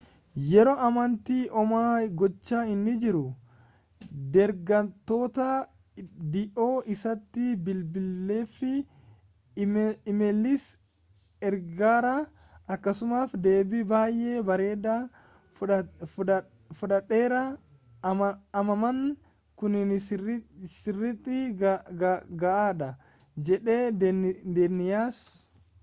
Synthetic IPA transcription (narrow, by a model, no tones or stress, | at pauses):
jɛɾoːʔɐmɐnt̪iːʔɔmaːɡɔt͡ʃːaːɪnːɪd͡ʒɪɾʊ | d̪ɛɾɡɐnt̪ːo̞ːt̪ɐ | d̪ɪʔo̞ːʔɪsɐt̪ːɪbɪlbɪlːe̞ːfɪ | ɪmɛlːɪs | ɛɾɡaːɾɐ | ɐkːɐsʊmaːfd̪e̞ːbɪbaːjʔeːbɐɾe̞ːd̪a | fʊᶑɐᶑeːɾɐ | ɐmɐmɐŋ | kʊnɪn | sɪrːɪt̪ʼːɪ | ɡɐʔaːᶑɐ | d͡ʒɛᶑeːd̪enɪjaːs